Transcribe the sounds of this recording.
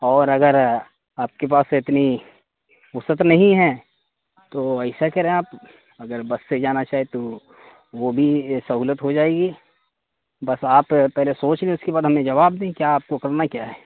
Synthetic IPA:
ɔːɾɐɡəɾ | aːp̚kep̬aːsɪt̪ni | ʊsət̪nɐɦĩɦɛ̃ː | t̪oɛɪsakɛɾẽẽaːp | ɐɡəɾbɐsːed͡ʒaːnat͡ʃaːɦet̪o | ʋobʱisɐɦuːlət̪ɦod͡ʒaːeːɡi | bɐsaːppɛɦlesoːt͡ʃlẽʊskebaːd̪ɦɐmẽd͡ʒɐʋaːbd̪ẽkjaːp̚kokɐɾnakjaːɦɛː

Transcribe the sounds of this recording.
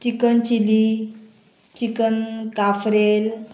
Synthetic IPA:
t͡ɕikənt͡ɕili | t͡ɕikənkafɾel

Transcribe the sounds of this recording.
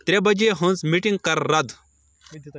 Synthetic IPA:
t̪ɾebɐd͡ʑeɦũnt͡smiʈĩŋɡ̚kɐɾːɐd̪

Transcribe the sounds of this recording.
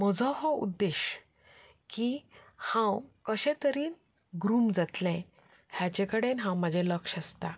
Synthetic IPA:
m̤əd͡zʱɔ̃ɦɔṵd̪ːeɕ | kihãwkəɕɛ̃t̪əɾiːn | ɡɾuːmd͡zat̪lɛ̃ | hjat͡ɕẽkəɽenɦãwməd͡ʑʱɛ̃ləkʂəst̪a

